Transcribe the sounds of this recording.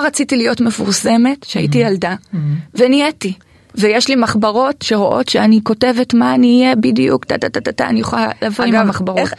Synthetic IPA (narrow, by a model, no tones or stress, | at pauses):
oʁat͡sitilijo̞tme̞fuʁse̞me̞tʃea̰itijaldavenieti | vejeʃlimaχbaʁo̞tʃe̞ʁo̞ʔo̞̰tʃeaniko̞te̞ve̞tmaːniːjebidijṵkt̪atatatataa̰nijoχalːavoimhamaχbaʁot